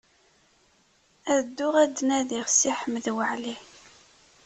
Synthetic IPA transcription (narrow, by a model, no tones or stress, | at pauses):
æðd̪ːʊʁæd̪ːnæðiʁsiħəmːəðwəʕli